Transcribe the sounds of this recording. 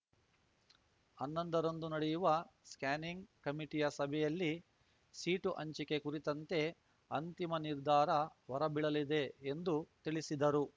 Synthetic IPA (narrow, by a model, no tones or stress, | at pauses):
ɐnːɐnd̪ɐɾond̪unɐɽɛjuʋɐskaːniŋɡkɐmiʈijɐsɐbʱɛjɐlːi | siːʈuʔɐɲt͡ʃike̞kuɾit̪ɐnt̪e̞ | ɐnt̪imɐniɾd̪ʱaːɾɐʋɐɾɐbiɭɐlid̪e̞ːnd̪ut̪iɭisid̪ɐɾu